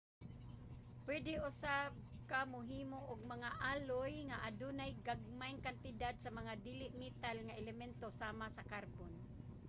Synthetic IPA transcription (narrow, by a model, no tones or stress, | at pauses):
pwɛd̪ɪʔʊsab̚kamʊɦiːmoʔʊɡ̚maŋaʔaːlojŋaʔadunajɡaɡ̚majŋkant̪ɪd̪ad̪̚samaŋad̪iːlɪʔmit̪alŋaʔɛlɛmɛnt̪osaːmasakarbon